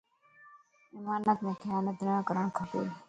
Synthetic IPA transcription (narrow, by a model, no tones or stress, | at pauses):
ɪmaːnət̪mẽːk̪ʰɪjaːnət̪̚nãːkəɾəɳ̃kʰəʈṵːl